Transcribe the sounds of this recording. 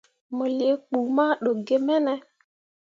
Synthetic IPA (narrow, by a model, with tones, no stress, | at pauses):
mɔ˨le˨˦k͡pu˨ma˦ɗo˨ɡe˦mɛ˦nɛ˦